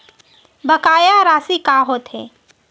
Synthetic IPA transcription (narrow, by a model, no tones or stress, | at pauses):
bəkaːjaɾaːsikaːɦoːt̪ɦɛ̰ː